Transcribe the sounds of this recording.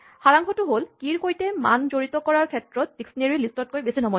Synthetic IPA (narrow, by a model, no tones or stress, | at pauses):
haɹaŋkʰɔtuɦolkiɹkojtemand͡ʑoɹit̪ɔkɔɹaɹkʰɛtːɹɔt̪̚biksneɹilistɔt̚kojbesinɔmɔ